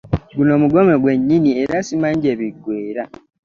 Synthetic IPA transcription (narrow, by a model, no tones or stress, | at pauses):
ɡunomuɡomeɡweɲːinieɾasimaɲɟeβiɡweːɾa